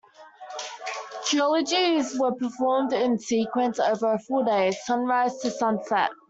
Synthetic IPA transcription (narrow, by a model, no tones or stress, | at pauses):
tʰiɒləd͡ʒizwəpʰəfɔːmdɪ̃nsiˑkʰwə̃nsəʊvəɹəfɔːdeɪ̥sʌ̃nɹaɪz̥tʰəsʌ̃nsɛ̰ʔ